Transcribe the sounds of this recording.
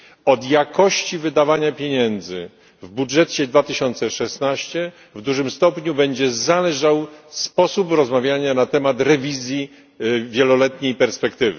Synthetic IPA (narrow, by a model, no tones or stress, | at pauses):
ɔd̪jakʰɔɕt͡ɕivɘd̪avaɲapʲjeɲɛnd̪zɘ̰ | vbudʐɛt͡ɕɛd̪vat̪ɘɕɔnt̪sɛʂɛsnaɕt͡ɕɛ | vd̪uʐɘmst̪ɔpɲubɛɲd͡ʑɛzalɛʐawspɔsupɾɔzmavʲjaɲanat̪ɛmat̪ɾɛvʲizʲji | vʲjɛlɔlɛt̪ɲejpɛɾspɛkt̪ɘvɘ̰